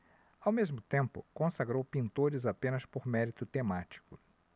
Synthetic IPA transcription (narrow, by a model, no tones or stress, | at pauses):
awmezmʊt̪ẽmpʊ̰kõsaɡɾowpĩnt̪oɾɪzapẽnɐspoɾmɛɾit̪ʊt̪emat͡ʃi̥kʊ